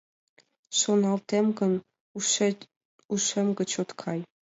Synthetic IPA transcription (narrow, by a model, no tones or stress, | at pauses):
ʃonɑlt̪emɡə̆n | uʃemɡə̆t͡ɕot̪kʰɑj